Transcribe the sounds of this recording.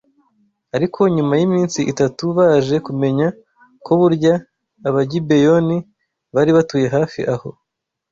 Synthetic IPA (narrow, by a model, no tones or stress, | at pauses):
aɾikʰo̞ɲumajimiːnsiʔitatuβaːʒe̞kume̞ɲa | ko̞βuɾɟaː | βaɟibe̞jo̞ni | βaɾiβatuːje̞ɦaːfḭʔaho̞